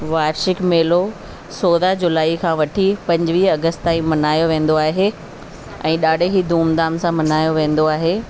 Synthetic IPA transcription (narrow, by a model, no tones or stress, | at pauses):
ʋaːɾʃɪkmeːlo | soːðad͡ʑʊlaːikʰãːʋɐʈʰipɐ̃ɲd͡ʑʋiːɐɡəst̪t̪ãːĩmɐnaːjoʋẽːn̆d̪oaːɦe | ɛ̰̃ːɗaːɖʱeɦid̪ʱuːmd̪aːmsãmɐnaːjoʋẽːnd̪oaːɦeː